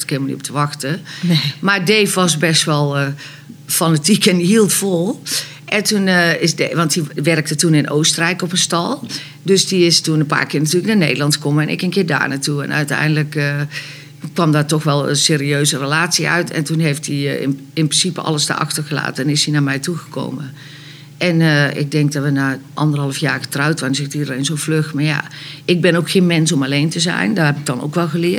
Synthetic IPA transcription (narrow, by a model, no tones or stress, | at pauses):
kɪːmənḭop̚tʰəʋɑxtəmadeːfʋɔsbɛstʋɛlˠ | fanatikɛndiɦiəlˠtfolˠ | ʔɛntunɪsʋɑnt̚iʋɛrk̚tətunɪnʔoːstərɛjkopənstɑlˠ | døsdiɪstunənpa̰ːɹkɪrnatyːlək̚naːneːdəlˠɑntkoməɛnʔɪ̰kənkɪːda̰ːɹnatuɛ̰nœ̰ɥtɛ̰jndələk | kʋɑmdatɔxʋɛlˠəseːɾiøːzərəlaːtsiœ̰ɥtʰɛ̰ntunɦeːftdḭ | ɪnprisipəʔɑ̰ləsda̰ʔɑ̰xtərɣəla̰ːtəɛnɪsinamɛjtuɣə̥kʰo̰ːmə | ʔɛnəɪ̰k̚dɛŋk̚dɔtʋənaʔɑndərhɑləfjaːrɣə̥trawtʋarnsɪxtidəreːnsonfløxmaɹja̰ɪk̚bɪnokxeːnmɛnsomaleːntəzɛ̰jndɔthɛpɪk̚d̥ɔno̰kʋɛlˠxəlɪə